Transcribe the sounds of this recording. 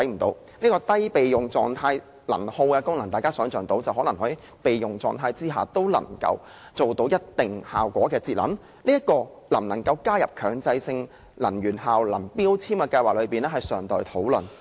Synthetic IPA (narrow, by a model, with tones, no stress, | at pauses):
ɐ˨˥jm̩˨˩t̪o̰˨˧w | niː˥kɔː˧t̪ɐ˥jpe˨jjʊ˨ŋt͡sɔː˨ŋt̪ʰaː˧j | lɐ̰˨˩nho˧wkɛː˧kʊ˥ŋlɐ˨˩ŋt̪aː˨jkaː˥sœː˨˥ŋt͡sœː˨˩ŋt̪o˨˥wt͡sɐ˨wɦɔː˨˥lɐ˨˩ŋɦɔː˨˥i˨˩˥ | pe˨jjʊ˨˩ŋt͡sɔ̰ː˨˩ŋt̪ʰaː˧jt͡siː˥ɦa̰ː˨t̪o˥wlɐ̰˨˩ŋkɐ̰˧w | t͡so˨wt̪o˨˥wjɐ˥t̚t̪ɪ˨ŋha̰ː˨wkʷɔː˨˥kɛː˧t͡siː˧t̚lɐ̰˨˧˥n | niː˥jɐ˥t̚kɔː˧ | lɐ˨˩mnɐ˨˩ŋkɐ˧wkaː˥jɐ˨p̚kʰœː˨˧ŋt͡sɐ˧jsɪ˧ŋ | lɐ˨˩nɥyː˨˩nɦaː˨wlɐ˨˩npiː˥wt͡sʰiː˥mkɛ˧kɐ˧jwaː˨k̚lɵ˨˧ɥpiː˨nɛː˥ɦɐ˨jsœː˨˩ŋt̪ɔː˨˩jt̪ʰo˨˥wlɵ̰˨n